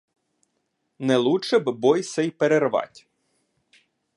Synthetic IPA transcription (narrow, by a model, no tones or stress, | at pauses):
nɛlˠuʃɛbbɔjsɛjpeɾerʋɑ̰tʲ